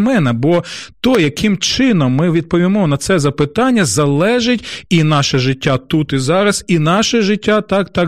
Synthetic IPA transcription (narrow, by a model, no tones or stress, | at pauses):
mɛnɛbɔt̪ɔjɐkʰɪmt͡ʃɪnɔmːɪʋʲid̪̚pɔʋʲimɔnɐt̪sɛzɐpɪt̪ɑnʲːɐzɐlˠɛʒɪtʲinɑʃɛʒɪtʲːat̪ut̪izɑɾɐsinɑʃɛʒɪtʲːat̪ɑkt̪ɑ